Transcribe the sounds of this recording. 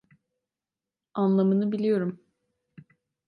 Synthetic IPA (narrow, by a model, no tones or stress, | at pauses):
anlˠamɯnɯbilʲijo̞ɾum